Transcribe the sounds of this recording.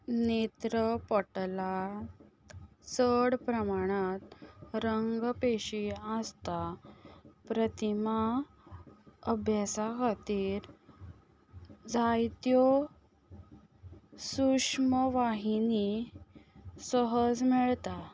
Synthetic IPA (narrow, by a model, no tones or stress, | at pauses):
net̪ɾəpəʈla | səɽpɾəmaɽ̃at̪ɾəŋɡpeɕiast̪a | pɾət̪ima | əbʱjasakat̪iːɾ | d͡zajt̪jo | suʂməʋaɦini | səɦəd͡zmiɭt̪a